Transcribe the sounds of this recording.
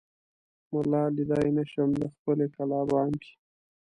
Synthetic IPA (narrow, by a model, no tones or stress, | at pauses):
mʊlɑːlid̪ɑjnaʃəmd̪əxpəlekalɑbɑːndi̥